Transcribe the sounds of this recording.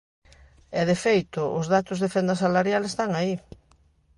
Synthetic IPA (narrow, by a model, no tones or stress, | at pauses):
ɛðefejt̪ʊʔʊzðat̪ʊzðefɛnd̪ɐsalaɾjalest̪aŋai